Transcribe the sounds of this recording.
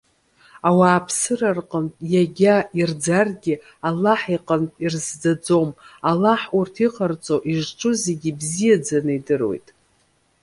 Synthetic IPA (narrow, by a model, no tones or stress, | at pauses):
awaːpʰsɨrarqʼəntʼjaɡʲaird͡zarɡʲɪ | alːaħiqʼəntʼirzd͡zad͡zo̞malaħurtʰiqʰʼart͡sʼoʔiʒʈ͡ʂʼʊze̞ɡʲibzijad͡zanɨidɨrwo̞̰jtʼ